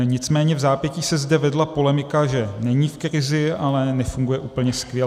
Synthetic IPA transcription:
ɲɪt͡smɛːɲɛvzaːpjɛciːsɛzdɛvɛdlapo̞lɛmɪkaʒɛnɛɲiːfkɾɪzɪalɛnɛfuŋɡujɛʔuːpl̩ɲɛskvjɛ

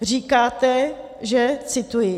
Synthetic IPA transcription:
r̝iːkaːt̪ɛ | ʒɛt͡sɪt̪ujɪ

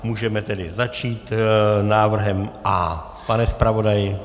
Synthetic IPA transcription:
muːʒɛmɛt̪ɛdɪzat͡ʃiːt̪naːvr̩ɦɛmʔa | panɛspɾavo̞dajɪ

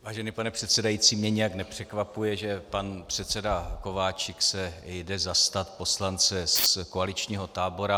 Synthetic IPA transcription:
vaːʒɛnipanɛpr̥ɛt̪sɛdajit͡siːmɲɛɲɛjaknɛpr̝̥ɛkvapujɛʒɛpanpr̥ɛt̪t͡sɛdako̞vaːt͡ʃɪksɛjdɛzast̪at̪po̞slant͡sɛskoalɪt͡ʃɲiːɦo̞t̪aːbo̞ɾa

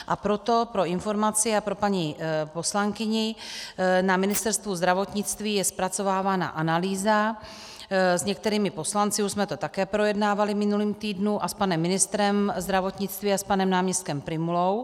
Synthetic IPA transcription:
ʔapɾo̞t̪o̞pɾo̞ɪnfo̞ɾmat͡sɪapɾo̞paɲipo̞slaŋkɪɲɪ | namɪnɪst̪ɛɾst̪vuzd̪ɾavo̞t̪ɲɪt͡st̪viːjɛspɾat͡so̞vaːvaːna̰ʔanaliːza | zɲɛk̚t̪ɛɾiːmɪpo̞slant͡sɪuʒsmɛt̪o̞t̪akɛːpɾo̞jɛdnaːvalɪmɪnuliːmt̪iːdnuʔaspanɛmːɪnɪst̪ɾɛmzd̪ɾavo̞t̪ɲɪt͡st̪viːaspanɛmnaːmɲɛst̪̚kɛmpɾɪmulow

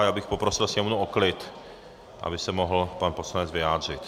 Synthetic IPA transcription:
jaːbɪxpopɾosɪlsɲɛmunuoklɪt̪ | ʔa̰bɪsɛmoɦl̩panposlanɛd͡zvɪjaːd̪r̝ɪt̪

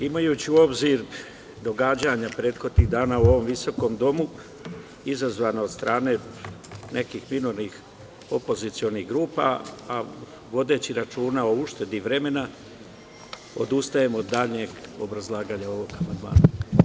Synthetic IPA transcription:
imajuːt͡ɕiuo̞bziɾ | d̪o̞ɡad͡ʑaɲapɾe̞ːt̪xo̞d̪niɣd̪aːnaːuo̞ʋo̞mʋiso̞ko̞md̪o̞mu | izazʋaːnaod̪st̪ɾʔaːne̞ | nʔe̞kiːxminoɾnix | o̞po̞zit̪sio̞niɣɡɾuːpa̰a | ʋo̞d̪e̞ːt͡ɕiɾat͡ʃuːnao̞uʃt̪e̞d̪iʋɾe̞me̞na | o̞d̪ust̪ajemod̪ːaːʎɲe̞ɡo̞̰bɾazlˠaːɡaːɲao̞ʋo̞ɡamand̪ma̰ːna

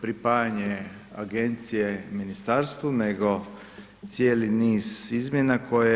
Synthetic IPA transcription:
pɾipajaɲe | aɡe̞nt̪sijeminist̪aɾst̪vune̞ɡo̞ | t̪sjeːliniːzizmje̞nako̞je

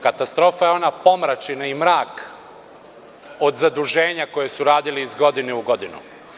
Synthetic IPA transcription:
kat̪ast̪ɾo̞ːfajeo̞napo̞mɾat͡ʃinaimɾaːk | o̞d̪zad̪uʒe̞ːɲako̞je̞suɾaːd̪iliːzɡo̞d̪ineuɡo̞d̪inṵ

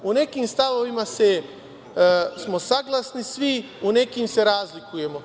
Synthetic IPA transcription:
une̞kimst̪aʋoʋimase | smo̞saɡlˠasnisʋi | une̞kimse̞ɾaːzlikuje̞mo

